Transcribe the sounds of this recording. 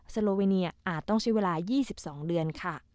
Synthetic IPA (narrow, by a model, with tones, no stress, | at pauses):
sa˧loː˧weː˧ni˧ɐʔaː˨˩t̪ːɔ˥˩ŋt͡ɕʰa˦˥weː˧laː˧jiː˥˩si˨˩p̚sɔː˩˦ŋdɯ˧ənkʰa˥˩